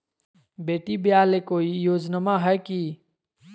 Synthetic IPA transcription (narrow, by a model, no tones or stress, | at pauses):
beːʈibjaːlekoːijoːd͡ʒnəmaɦɛki